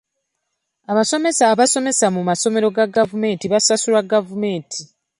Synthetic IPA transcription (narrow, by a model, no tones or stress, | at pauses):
aβaso̞mesaːβaso̞me̞samumaso̞me̞ɾo̞ɡaɡavume̞ːntiβasasulaɡavume̞ːntʰi